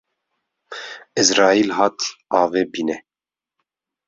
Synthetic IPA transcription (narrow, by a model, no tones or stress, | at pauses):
ɪzɾɑːilɦɑːt̪ɑːveːbiːnɛ